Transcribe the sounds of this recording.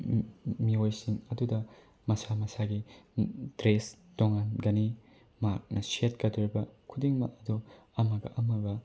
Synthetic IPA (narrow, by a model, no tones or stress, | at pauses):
miojsiŋɐdudɐ | mɐsamɐsaɡi | d̥ɾes | toŋanɡɐni | mak̚nɐsiet̚kɐduɾibɐkʰudiŋmɐ̰ɐdu | ɐmɐɡɐ̰ʔɐmɐɡɐ